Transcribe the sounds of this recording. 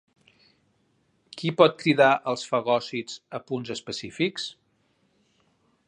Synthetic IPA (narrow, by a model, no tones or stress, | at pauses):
kipɔt̪̚kɾiðaʔəlˠsfəɣɔsizəpunzəspəsifiks